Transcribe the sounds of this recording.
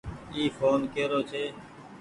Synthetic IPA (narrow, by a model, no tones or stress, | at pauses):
iːfoːnkeːɾoːt͡ʃʰeː